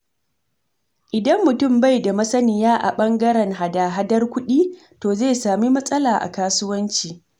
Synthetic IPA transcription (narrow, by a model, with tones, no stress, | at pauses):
ʔɪ˨dɐ˦mːʊ˨tʊ˦˨mba˦˨jda˨mɐ˦sɐ˦nɪ˨jaː˦ʔa̰˨ɓɐ˦ŋɡɐ˦ɾɛ˨ŋɦa˨daː˨ɦa˦dɐ˦rkʷʊ˦ɗiː˦ | toː˨zeː˦˨saː˨mi˦mɐ˦sʼɐ˦laː˨ʔa̰˨kaː˦sʊ˦wɐ˦nt͡ʃiː˨